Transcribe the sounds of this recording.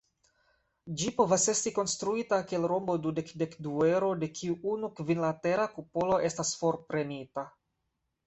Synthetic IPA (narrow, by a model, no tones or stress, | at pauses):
d͡ʒipo̞vase̞stiko̞nstɾuitakielɾo̞mbo̞dude̞kde̞kdue̞ɾo̞de̞kʰiuunukvinlate̞ɾakupolo̞ʔe̞stasfo̞ɾpɾe̞nita